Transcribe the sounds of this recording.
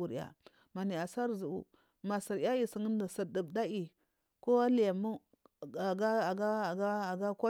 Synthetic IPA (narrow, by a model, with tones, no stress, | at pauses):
u˨ɾa̰˨ | ma˨ni˨a˨sa˦ɾzu˨ṵ˨ | ma˨sə˨ɾja˦i˨si˨ŋə˦n˦da˨sə˨də˨bda˦ʔi˨ | ko˦wa˦li˨ja˨mu˦ | a˨ɡa˦a˨ɡa˦˨ɡa˦˨ɡa˦kʷa˦